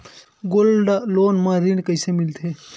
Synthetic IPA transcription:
ɡolɖloːnmãɾiɳɖkəɪsemilt̪ʰe

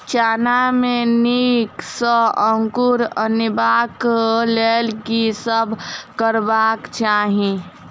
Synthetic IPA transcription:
t͡ʃaːnameniksəəŋkuɾənibaklelkisəbʱkəɾbakt͡ʃaːɦĩ

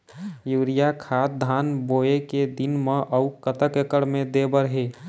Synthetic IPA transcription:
juːɾijakʰaːt̪̚d̪ʱaːnboːeked̪ɪnmə̃ʔəukət̪əkekəɽmẽd̪ebəɾɦe

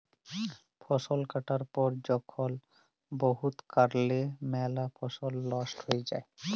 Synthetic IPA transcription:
pʰɔsolkaʈaɾpɔɾd͡ʑɔkʰːol | boɦut̪kaɾlemɛlapʰɔʃolːɔsʈhojed͡ʑa̰e

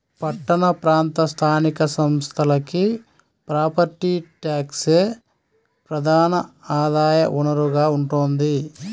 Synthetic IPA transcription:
pɐʈːɐɳɐpɾaːnt̪ɐst̪ʰaːnikɐsɐmst̪ʰɐlɐki | pɾaːpɐɾt̪iʈjaːkseː | pɾɐd̪ʱaːnɐaːd̪aːjɐ̰ʔuɳɐɾuɡaːuɳʈoːnd̪i

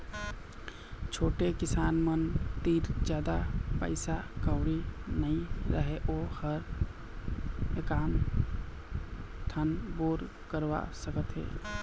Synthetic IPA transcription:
t͡ʃʰoːʈekɪsaːnmənt̪iːɾd͡ʒjaːd̪apə̰ɪsakəʊɾinəɦĩɾəɦeʔoːhəɾ | ekaːn | t̪ʰənboːɾ | kəɾwa̰səkət̪ɦɛ̰ː

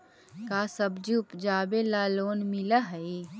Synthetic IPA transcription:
kaːsəbd͡ʒiʊpd͡ʒaːbelaːloːnmɪlaɦɐi

